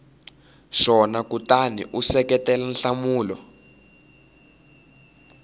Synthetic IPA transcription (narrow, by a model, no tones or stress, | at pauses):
ʃɔnakutanḭʔusɛkɛtɛlanɬamuːlɔ